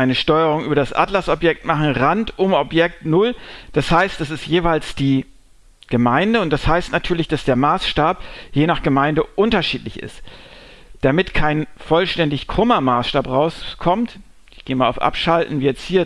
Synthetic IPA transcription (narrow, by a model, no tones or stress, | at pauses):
aɪnəʃtɔʏəʁ̞ʊŋʔyːbɐdasʔa̰tlasɔpjɛk̚tmaχn̩ʁantʔʊmɔpjɛk̚tnʊld̥ashaɪst̚d̥asɪstjeːvaɪlsd̥iː | ɡ̥əmaɪndəʊntd̥ashaɪstnatʰyːɐlɪçd̥asd̥eːɐmaːsʃtaːpjeːnaːχɡ̥əmaɪndəʔʊntɐʃiːtlɪçɪ̰st | d̥amɪtkʰaɪnfɔlʃtɛndɪçkʁ̥ʊmɐmaːsʃtaːpʁaʊskʰɔmt | ɪçɡ̥eːmaːa̰ʊfʔa̰pʃaltn̩viːjɛt͡sthiːɐ